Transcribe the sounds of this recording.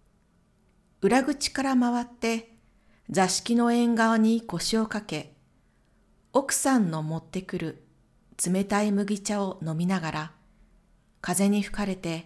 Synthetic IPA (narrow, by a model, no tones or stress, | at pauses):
ɯ̟ɾaɡɯ̟t͡ɕi̥kaɾamaβat̪ːe̞ | d͡zaɕi̥kʲino̞ẽ̞ŋɡaaɲ̟iko̞ɕio̞kake̞ | o̞kɯ̟̥sãnːo̞mo̞t̪ːe̞kɯ̟ɾɯ̟ | t͡sɨme̞t̪aimɯ̟ɡʲit͡ɕao̞no̞mʲinaɡaɾa | kaze̞ɲ̟iɸɯ̟̥kaɾe̞t̪e̞